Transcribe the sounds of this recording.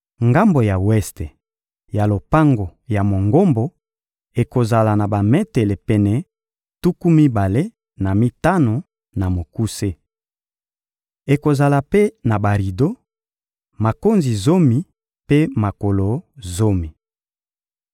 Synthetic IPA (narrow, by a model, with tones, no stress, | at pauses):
ŋɡa˦mbo˨ja˨wɛ˦ste˨ | ja˨lo˨pa˦ŋɡo˨ja˨mo˨ŋɡo˦mbo˨ | e˨ko˨za˨la˨na˨ba˨mɛ˦te˨le˨pɛ˨nɛ˨ | tu˦ku˦mi˦ba˨le˦ | na˨mi˦ta˦no˨ | na˨mo˨ku˦se˦ | e˨ko˨za˨la˨pe˦na˨ba˨ʁi˨do˦ | ma˨ko˦nzi˨zo˦mi˨ | pe˦ma˨ko˨lo˨zo˦mi˨